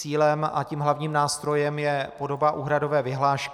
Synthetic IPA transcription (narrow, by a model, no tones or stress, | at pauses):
iːlɛma̰ciːmɦlavɲiːmnaːst̪ɾo̞jɛmjɛpo̞do̞baʔuːɦɾado̞vɛːvɪɦlaːʃk